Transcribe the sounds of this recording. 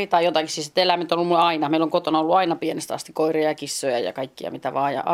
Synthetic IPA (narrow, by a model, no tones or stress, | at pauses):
it̪ɑijot̪ɑkissisit̪elæment̪ːoolːumuleɑinɑmeiloŋkot̪onɑolːuɑinɑpienest̪ɑ̰st̪ikoirejɑkisːojɑ̰jɑ̰kɑikːiɑ̰mit̪æʋɑːjɑ̰ɑ